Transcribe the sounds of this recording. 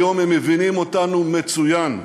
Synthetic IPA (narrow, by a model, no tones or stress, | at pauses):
jo̞memevinimo̞tanume̞t͡sujan